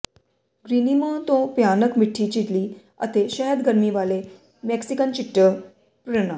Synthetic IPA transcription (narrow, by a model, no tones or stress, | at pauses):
ɡɾinimət̪õpjanəkmiʈʰːiːt͡ɕiʈ̪li | ə̰t̪eɕəɦəd̪ɡəɾmiʋale | mɛksikənt͡ɕiʈːə | pɾəna